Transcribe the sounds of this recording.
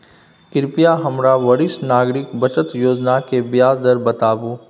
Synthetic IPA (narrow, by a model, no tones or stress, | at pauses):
kɪɾpijaɦɐmɾaʋɐɾɪsnaːɡɾɪkbɐt͡ʃət̪joːd͡ʒnakebjaːzd̪əɾbɐt̪aːbuː